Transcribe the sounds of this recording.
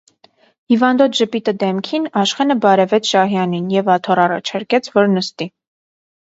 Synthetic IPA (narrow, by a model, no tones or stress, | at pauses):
hivɑnd̪ɔt̪ʰʒəpit̪əd̪ɛmkʰinɑʃχɛnəbɑɾɛvɛt͡sʰʃɑɦjɑninjɛvɑt̪ʰɔɾɑrɑ̰t͡ʃʰɑɾkɛt͡sʰvɔɾnəst̪i